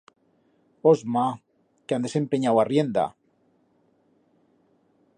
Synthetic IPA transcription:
ozma | keand̪e̞se̞mpeɲawarjend̪a̰

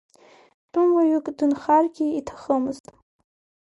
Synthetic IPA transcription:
tʼumwaɥukʼdɨnχarɡʲiitʰḁχəmɨztʼ

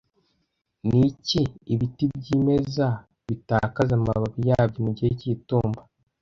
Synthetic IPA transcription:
niciːβitibɟiːme̞za | βitakazamaβaβijaːb̚ɟomuɟiheciːtuːmba

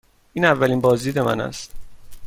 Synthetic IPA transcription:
ʔiːnævːæliːnbɒːzd̪iːd̪e̞mæ̰næ̰st̪

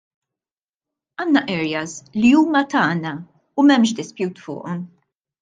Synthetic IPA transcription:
ɐːnːɐʔɛɾjɐsliuːmɐt̪ɐːnɐ | umɛmʃ̬d̪ɪspjuːt̪fʊ̰ːʔɔm

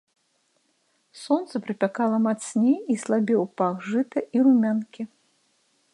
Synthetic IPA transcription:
sɔnt̪sɐpɾɨpʲakalˠɐmat̪sʲnʲiislˠabʲɛwpaɣʐɨt̪ɐʔiɾumʲankʲi

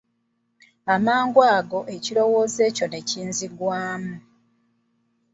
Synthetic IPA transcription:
amaːŋɡwaːɡo̞ʔe̞cilo̞wo̞ːze̞ːco̞ne̞ciːnziɡwaːmu

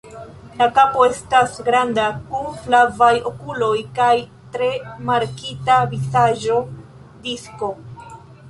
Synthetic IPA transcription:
lakapo̞e̞stasɡɾandakunflavajo̞kulo̞jkaj | tɾe̞maɾkitavisaʒo̞ | disko̞

